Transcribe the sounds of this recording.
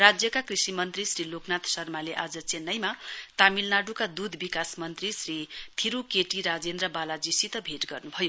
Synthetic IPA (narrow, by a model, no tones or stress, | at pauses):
rad͡zjʌkakrisimʌnt̪risɾiloknat̪sʌrmaleʔad͡zʌt͡senːʌjmat̪amilnaɽukad̪ud̪ʱbikasmʌnt̪risrit̪ʰiɾukeʈiɾad͡zend̪rʌbalad͡zisit̪ʌbʱeʈɡʌrnubʱʌjo